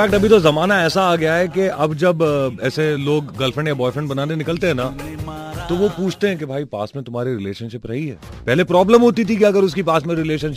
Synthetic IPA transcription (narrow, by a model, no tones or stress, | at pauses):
fæːkʈɐbʱit̪ozɐmaːnaɛːsaːɡɐjaɦɛkeʔɐbd͡ʒɐbɛːseloːɡːɐlfɾɛ̃ɳɖjabɔːɪfɾɛ̃ɳɖbɐnaːnenɪkəlt̪eɦɛ̃na | t̪oʋopuːt͡ʃʰt̪eɦɛ̃kebʱaːipa̰ːsmẽt̪ʊmɦaːɾeɾɪleːʃənʃɪpɾɐɦiɦɛ̰ː | pɛɦlepɾɔːbləmɦoːt̪it̪ʰikeɐɡəɾʊskipaːsmẽɾɪleːʃənʃɪ